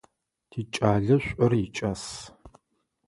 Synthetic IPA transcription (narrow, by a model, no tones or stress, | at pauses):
tʰiːt͡ʃʼaːɮɐɕʷʼɐrit͡ʃʼas